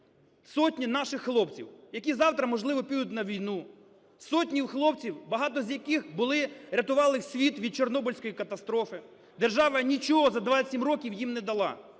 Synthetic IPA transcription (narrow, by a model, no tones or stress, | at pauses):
sɔtʲnʲinɑʃɪxːlˠɔpt͡sʲḭwjɐkʲizɑwt̪ɾɐmɔʒlˠɪʋɔpʲid̪ʊt̬ʲnɐʋʲijnu | sɔtʲnʲiwxlˠɔp̚t͡sʲiwbɐɦɑt̪ɔzʲjɐkɪxbʊlˠɪɾʲɐt̪ʊʋɑlˠɪsʲʋʲit̪ʋʲid̪̚t͡ʃernɔbɔlʲsʲkɔjikɐt̪ɐst̪ɾɔfɪ | d̪erʒɑʋɐnʲit͡ʃɔɦɔzɐd̪ʋɑɐsʲimrɔkʲiwjimnɛd̪ɐlˠɑ̰